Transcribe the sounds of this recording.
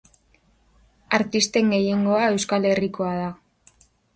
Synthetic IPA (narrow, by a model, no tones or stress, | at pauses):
aɾt̪ist̪e̞ŋɡe̞je̞ŋɡo̞ae̞wskale̞riko̞að̞a